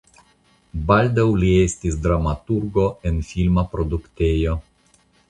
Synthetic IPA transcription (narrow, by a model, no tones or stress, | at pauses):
bald̪awliestis̬d̪ɾamat̪uɾɡo̞enfilmapɾo̞d̪ukt̪ejo̞